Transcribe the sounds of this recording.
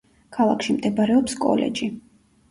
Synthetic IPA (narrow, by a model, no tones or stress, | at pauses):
kʰalˠakʃimd̪ɛbaɾɛɔpskʼɔ̰lɛ̰d͡ʒi